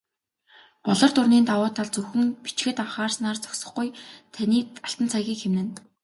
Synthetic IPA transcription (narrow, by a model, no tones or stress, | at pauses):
pɔɮɞ̆rt̪ʊrniːnt̪awʊːt̪ʰːaɮt͡sɵxɵ̆ŋpit͡ɕxɘ̆t̪aɴχaːrsnaːrt͡sɔ̥ksɞ̆χɡujt̪ʰaniːaɬt̪ə̆nt͡sʰaɣʲiːkxemnɘ̆n